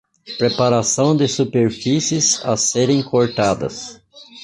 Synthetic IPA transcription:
pɾepaɾasɐ̃w̃d̪ɪsupeɾfisiɪza̰seɾẽj̃koɾt̪ad̪ɐ̰s

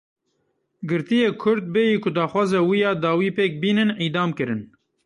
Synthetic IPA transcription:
ɡɨɾt̪ijeːkʰʊɾd̪̚bejiːkʊd̪ɑːxwɑːzɛwijɑːd̪ɑːwiːpeːk̚biːnɨnʔiːd̪ɑːmkɨɾɨn

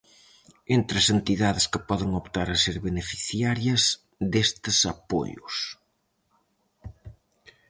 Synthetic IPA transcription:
ent̪ɾɐsent̪iðaðɪskɪpɔðɪŋopt̪aɾɐseɾβenefi̥θjaɾjɐs | ðest̪ɪsapo̰ʎʊ̰s

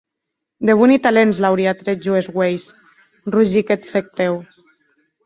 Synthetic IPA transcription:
d̪eβ̞unit̪alenzlawɾiat̪ɾeʒuezɣwejs | ruʒiket̪sek̚t̪ew

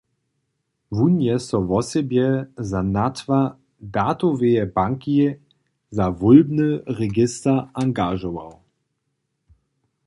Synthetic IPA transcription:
vunjɛsɔvɔsɛbjɛzanat̪va | d̪at̪ɔvejɛbaŋki | zavulbnəʁɛɡɪst̪ɐaŋɡaʒɔva̰w

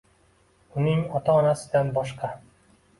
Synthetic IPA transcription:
ʊnɪŋɒt̪ʰɒːnasɪd̪anbɒʃqʰɑ

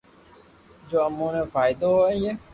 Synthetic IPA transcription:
d͡ʒoːəmːõːnẽfaːɪd̪oɦoːẽjeː

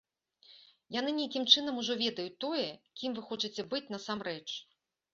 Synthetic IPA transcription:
janɨnʲejkʲimt͡ʂɨn̪ɐmuʐɔvʲɛd̪ɐjut̪ɔjɛkʲimvɨxɔt͡ʂɨt͡sʲɛbɨt͡sʲnɐsamrɛt͡ʂ

